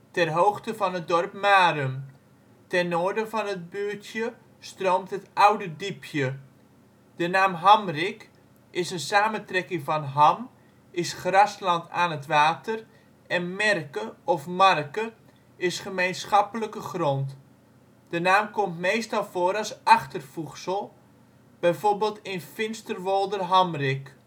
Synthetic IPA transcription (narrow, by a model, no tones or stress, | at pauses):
tɛrɦowxtəvɑnɦət̚dɔrpmaːɾəm | tɛnoːɹdəvɑnɦət̚bøːtʰjə | stroːwmtɦətawdədipʰjə | d̥ənaːmɦɑmrɪk | ʔɪsənsaːməntrɛkɪŋvɑnɦɑm | ɪsχrɑslɑntaːnətʋaːtər | ɛnmɛrkəɔfmarkə | ɪsχəmejnsχɑpələkəχrɔnt | d̥ənaːmkɔmtmejstɑlˠfoːɾɑsaχtərfuxsəlˠ | b̥ɛjvorbeːlˠtɪnfɪnstərʋolˠdərɦamrɪk